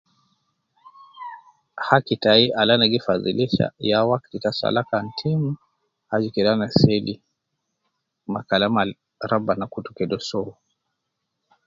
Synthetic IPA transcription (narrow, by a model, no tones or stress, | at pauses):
hakitaiʔalanaɡifaðḭliʃa̰jawakkitasa̰lakan̩tʰimu | had͡ʒikɛlanasɛli | makalama | ɾabanakutukɛdɔsɔu